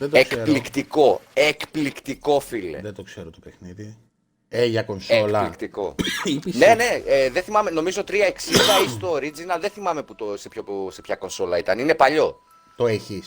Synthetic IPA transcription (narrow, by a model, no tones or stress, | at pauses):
ðed̪eskelikt̪iko̞ekplikt̪iko̞filḛðed̪okseɾot̪opexniði | eʝɐko̞nseoklɐlikt̪iko̞ipisnnene̞eðeθimɐmeno̞mizo̞t̪ɾiɐe̞ksid̪ɐist̪o̞ɾid͡zinɐðeθimɐme̞put̪osepçose̞pçɐko̞nso̞lɐit̪ɐnine̞pɐʎo̞ | t̪o̞eçis